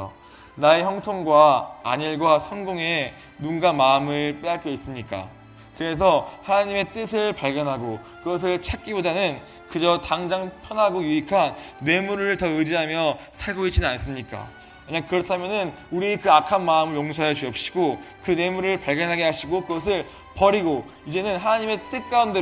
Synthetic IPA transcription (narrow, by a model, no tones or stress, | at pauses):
naeçjʌŋtʰoŋɡwa̰ːɲiɭɡwasʰʌnɡoŋe̞ | nunɡamaɯmɯɭp͈eak͈ʌis͈ɯmɲik͈a̰ | kɯɾe̞s̬ʰʌhanaɲime̞t͈ɯsʰɯɭpaɭɡjʌnɦaɡo | kɯɡʌs̬ʰɯɭt͡ɕʰak̚k͈ibodanɯn | kɯd͡ʑʌtaŋd͡ʑaŋpʰjʌnɦaɡojuikʰanːe̞muɾɯɭtʌɯd͡ʑiɦamjʌ | sʰaɭɡoit͡ɕ͈inɯnans͈ɯmɲik͈a̰ | meɲakɯɾʌtʰamjʌnɯn | uɾiekɯakʰanmaɯmɯɭjoŋsʰajʌt͡ɕuʌp̚ɕ͈i̥ɡokɯne̞muɾɯɭpaɭɡjʌnɦaɡeɦaɕʰiɡokɯɡʌs̬ʰɯɭ | pʌɾiɡo | id͡ʑe̞nɯnɦanaɲime̞t͈ɯk̚k͈aunde